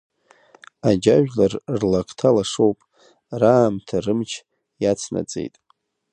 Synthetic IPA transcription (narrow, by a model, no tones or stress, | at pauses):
ad͡ʒaʒᶣlarrlakʰʼtʰalaʂowpʼ | raːmtʰarɨmt͡ʃʰ | jat͡sʰna̰t͡sʼḛjtʼ